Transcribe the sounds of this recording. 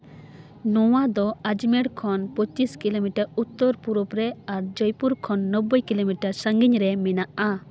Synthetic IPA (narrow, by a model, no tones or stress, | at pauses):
nɔwad̪ɔad͡ʒmɛɽkʰɔnpɔt͡ʃiskilomiʈaɾut̪ːoɾpuɾɔpɾɛaɾd͡ʒɔjpuɾkʰɔnːɔbːɔjkilomiʈaɾsaŋɡiɲɾɛmɛnaʔa